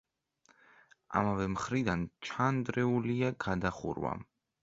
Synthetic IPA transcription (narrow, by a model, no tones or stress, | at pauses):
a̰mavɛmχɾid̪ant͡ʃʰand̪ɾɛuliaɡad̪aχṵɾwa̰